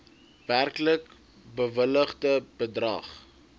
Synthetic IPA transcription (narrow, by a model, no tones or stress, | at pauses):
værklək | bəvələχdəb̥ədrɐ̰χ